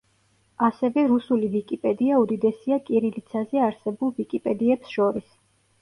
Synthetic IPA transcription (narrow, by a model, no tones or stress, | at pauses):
asɛvɛɾusulivikʼipʼɛd̪iaud̪id̪ɛsiakʼiɾilit̪sʰazɛaɾsɛbulˠvikʼipʼɛd̪iɛpsʃɔɾis